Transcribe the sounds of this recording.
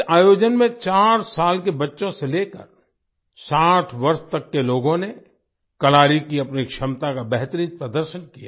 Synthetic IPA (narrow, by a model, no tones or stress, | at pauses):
aːjoːd͡ʒənmẽt͡ʃaːɾsaːlkebɐtːʃõseleːkə̰ɾ | saːʈʰʋɐɾst̪ɐkːeloːɡõne | kɐlaːɾikiɐpnikʃɐmt̪akabɛɦt̪ɾit̪̚pɾəd̪əɾʃənkija